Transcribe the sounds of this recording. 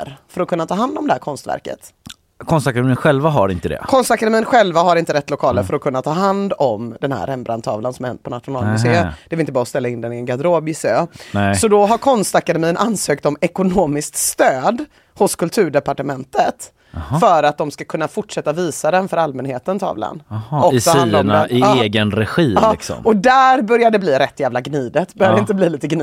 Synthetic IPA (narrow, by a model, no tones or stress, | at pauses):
ɾfœɾɔkʰɵnːat̪ʰɑːɦand̪ɔmd̪ɛhæːɾkʰɔnst̪væ̰ɾkə̰t̪ | kʰɔnst̪akad̪ɛmiːənɧɛlvaɦaɾɪ̰nt̪əd̪ɛ̰kʰɔnst̪akad̪ɛmiːənɧɛlvaɦaɾɪnt̪əɾɛt̪ːlʊkʰɑːləɾfœɾɔkʰɵnːat̪ʰɑːɦand̪ɔmd̪ɛnhæ̰ɾɛmbɾa̰nt̪ʰɑ̰ːvlansɔmɛnpʰɔnat̪ɧʊnɑːlmʏseːmd̪ɛvɛɾɪnt̪əbɑːɾɔst̪ɛlːaɪnd̪ɛnɪɛnɡad̪ɾoːbɪsøːnɛsɔd̪ɔɦaɾkʰɔnst̪akad̪ɛmiːənʔansøːkt̪ɔmɛkʊnoːmɪskt̪st̪øːd̪ | hʊskʰɵlt̪ʰʉ̟ːɖɛpaʈəmɛnt̪ət̪ | fœɾat̪̚d̪ɔmskakʰɵnːafʊʈʂɛt̪ːaviːsad̪ɛnfœɾalmɛnheːt̪ənt̪ʰɑ̰ːvla̰nɔsɔiannd̪ɪːeːɡənɾɛɧiːɑːɪksɔ̰mɔd̪æɾbœɾjaɖ̪ɛbliːɾɛt̪ʰːjæːvlaɡniːd̪ət̪bœɾjadɛɪnt̪əbliːliːt̪əɡn